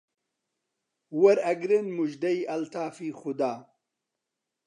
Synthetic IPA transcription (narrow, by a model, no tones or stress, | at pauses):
wɐɾɐɡɾɨnmuʒd̪ɐjʔɐlt̪aːfiːxʊd̪aː